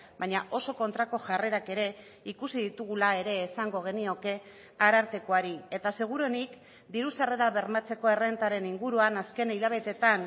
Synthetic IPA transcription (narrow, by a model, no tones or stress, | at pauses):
baɲaʔo̞so̞ko̞nt̪ɾako̞ʝare̞ɾake̞ɾe̞ | ikusiðit̪uɣ̞ulae̞ɾe̞ːsaŋɡo̞ɣ̞e̞nio̞ke̞ | aɾaɾt̪e̞ko̞aɾiet̪ase̞ɣ̞uɾo̞nik | d̪iɾusare̞ɾaβe̞ɾmat͡se̞ko̞e̞re̞nt̪aɾe̞niŋɡuɾuanaske̞niʎaβ̞e̞t̪e̞t̪an